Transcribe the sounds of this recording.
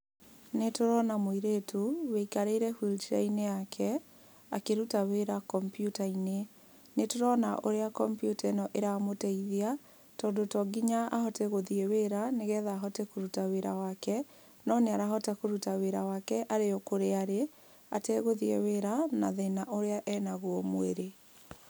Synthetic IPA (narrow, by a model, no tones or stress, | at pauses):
netoɾɔnamoiɾetʰuweikaɾeiɾɛhwilt͡ʃaineakʰɛ | a̰keɾutaweɾakɔmpjutaine | netoɾɔnaʔoɾeakɔmpjutɛnɔʔeɾamotɛiðia | tɔːndotɔɡiɲaa̰hɔtɛɣoðieweɾaneɣɛːðaːɦɔtɛkoɾutaweɾawakɛ | nɔneaɾaɦɔtɛkoɾutaweɾawakɛʔaɾeɔkoɾeaɾe | a̰tɛɣoðieweɾana̰ðenaʔoɾeaʔɛnaɣwɔmweɾe